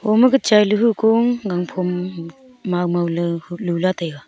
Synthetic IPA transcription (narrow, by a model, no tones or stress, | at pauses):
hɔmɯɡɯt͡ʃajlɯɦɯkoŋɡaŋpʰɔmː | awmawlɯhlɯlatʰajɡa